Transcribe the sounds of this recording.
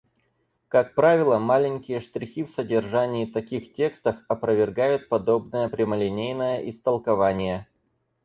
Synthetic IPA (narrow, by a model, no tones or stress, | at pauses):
kak̚pɾavʲɪlˠəmalʲɪnʲkʲɪjəʂt̪ɾʲɪxʲifsədʲɪrʐanʲɪːt̪ɐkʲixtʲe̞kst̪əfɐpɾəvʲɪrɡajʊt̪̚pɐd̪o̞bnəjəpɾʲɪməlʲɪnʲejnəjəʔɪst̪əlˠkɐvanʲɪjə